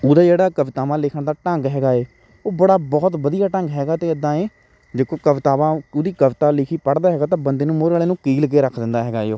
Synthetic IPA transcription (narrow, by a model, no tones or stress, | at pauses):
ʊːd̪aːd͡ʒeːɽaːkəʋɪt̪aːʋãːlɪkʰəɳd̪aːʈə̃ŋɡɦɛːɡaːeː | oːbəɽaːbɔːt̪bəd̪ijaːʈəŋɡɦɛːɡaːt̪eːəd̪ãːeː | d͡ʒeːkoːkəʋɪt̪aːʋãːʊd̪iːkəʋɪt̪aːlɪkʰiːpəɽd̪aːɦɛːɡaːt̪̬ãːbənd̪eːnũːmoːɾaːeːnũːkiːlk̬eːɾəkʰd̪ɪ̃nd̪aːɦɛːɡaːeoː